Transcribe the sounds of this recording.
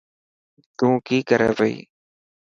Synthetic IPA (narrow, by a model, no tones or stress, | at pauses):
t̪ũːkiːkəɾeːbəḭː